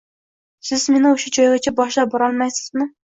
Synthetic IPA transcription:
sɪz̥mɪnɪuʃud͡ʒɑjʁɨt͡ʃʰɛbɑʃlˠɑboɾɑlˠmɛjsɪ̥zmɨ

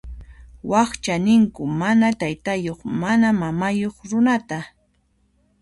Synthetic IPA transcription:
wɑχt͡ʃanɪŋkʊmanat̪ajt̪ajoχmanamamajoχɾʊnat̪a

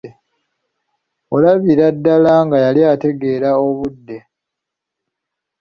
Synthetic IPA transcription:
olaβiɾadːalaŋɡajaliate̞ɡe̞ɾao̞βudːe̞

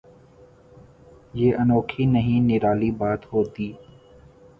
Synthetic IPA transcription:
jeːʔɐnoːkʰinəɦĩnɪɾaːlibaːt̪ɦoːt̪iː

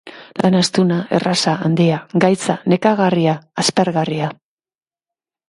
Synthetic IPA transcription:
lʔanast̪unae̞̰rasaːnd̪iaɡajt͡sane̞kaɣariaːspe̞ɾɣaria

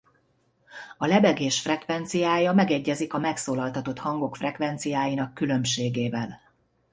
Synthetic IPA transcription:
ɒlɛbɛɡeːʃfrɛkvɛnt̪sijaːjɒmɛɡɛɟːɛzikɒmɛksoːlɒlt̪ɒt̪o̞t̪hɒŋɡo̞kfrɛkʋɛnt̪sijaːjinɒkːylø̞mʃeːɡeːvɛl

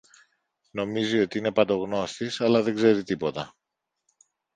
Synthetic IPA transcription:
no̞mizio̞t̪iine̞pɐt̪o̞ɣno̞st̪isɐlɐðe̞ɡze̞ɾit̪ipo̞t̪ɐ

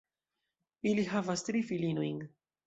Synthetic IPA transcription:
iliɦavast̪ɾifilinuĩŋɡ

